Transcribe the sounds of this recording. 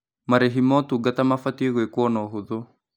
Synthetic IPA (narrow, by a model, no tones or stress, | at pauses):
maɾeɦimɔt̪uɡat̪amafatieɣwekuɔnɔɦuðo